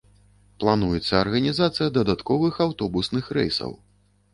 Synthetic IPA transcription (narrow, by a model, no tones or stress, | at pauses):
plˠanujɛt̪sːɐːrɣɐnʲizat̪sɨjɐd̪ɐd̪at̪kɔvɨxawt̪ɔbusnɨxɾɛ̰jsɐ̰w